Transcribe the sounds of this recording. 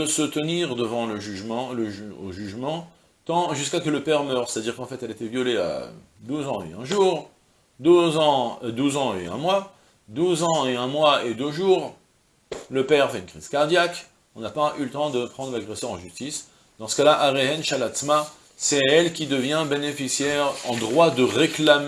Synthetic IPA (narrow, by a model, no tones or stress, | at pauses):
d̪əsət̪əniʁd̪əvɑ̃ləʒyʒmɑ̃ləʒo̰ʒyʒmɑ̃ | t̪ɑ̃ʒyskakələpɛʁmœʁsɛ̥t̪ad̪iʁkɑ̃fɛt̪ɛlet̪evjɔlea̰ | d̪uzɑ̃ḛɛ̃ʒuːʁ | d̪zɑ̃d̪uzɑ̃eɛ̰̃mwa | d̪uzɑ̃eɛ̃mwaed̪øʒuːʁ | ləpɛʁfɛynkχiz̥kaʁd̪jak | ɔ̃napaylət̪ɑ̃d̪əpχɑ̃d̪ʁəlaɡʁesœʁɑ̰̃ʒyst̪is | d̪̥ɑ̃sə̥kalaʔaʁeɦɛnʃalat̪sma | sɛɛlkʲid̪əvjɛ̃benefisjɛʁɑ̰̃d̪ʁwad̪əʁeklam